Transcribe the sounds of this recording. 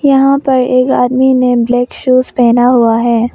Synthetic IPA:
jɐɦãpɐɾeːka̰ːd̪mineblɛːkʃuːzpɛːnaɦʊaɦɛː

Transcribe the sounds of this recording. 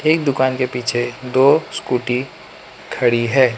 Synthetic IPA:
eːk̚d̪ʊkaːnkepiːt͡ʃʰed̪oːskuːʈi | kʰɐɽiɦɛː

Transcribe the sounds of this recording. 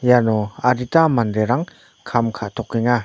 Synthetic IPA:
janɔaɾitamandeɾaŋ | kʰamkʰaʔt̪ʰɔkːiŋa

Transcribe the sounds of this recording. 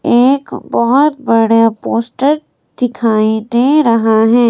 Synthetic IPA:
eːkbɔɦʊt̪̚bɐɽjapoːsʈəɾ | d̪̥ɪkʰaːid̪ẽɾɐɦaɦɛː

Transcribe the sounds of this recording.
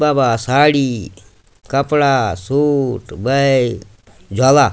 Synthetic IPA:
baːbaːsaːɽiː | kəpɽasuːʈbə | d͡ʒʱaːlaː

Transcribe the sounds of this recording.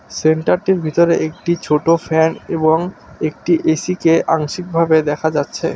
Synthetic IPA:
seɳʈaɾʈiɾbʱit̪oɾeʔek̚ʈit͡ɕʰoʈofʰɛneboŋek̚ʈiʔesikeʔaŋʃik̚bʱabed̪ɛkʰad͡ʑatːɕʰḛ

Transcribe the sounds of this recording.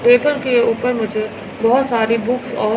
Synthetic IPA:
peːpəɾkeuːpəɾmʊd͡ʒʱe | bɔɦʊt̪saːɾibʊksɔː

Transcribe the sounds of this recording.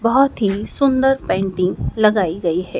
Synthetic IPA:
bɐɦɔt̪ɦisʊ̃nd̪əɾpɛ̃ːɳʈɪ̃ŋlɐɡaːiɡɐiɦɛː

